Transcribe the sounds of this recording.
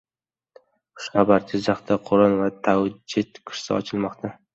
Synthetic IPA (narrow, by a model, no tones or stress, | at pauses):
ʊʃabaɾt̪ʰɪzaχt̪ʰaqʰʊɾʊnvat̪ʰawd͡ʒɪt̪kʰʊ̥ʃsa̰ɒ̰t͡ʃʰɪlˠmɒqt̪ʰa